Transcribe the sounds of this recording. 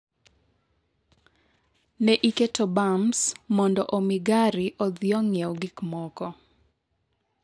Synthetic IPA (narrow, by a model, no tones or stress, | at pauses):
nɛʔiketɔbamsmɔndɔʔomiɡaɾiʔɔd̪jɔŋjoɡikmɔkɔ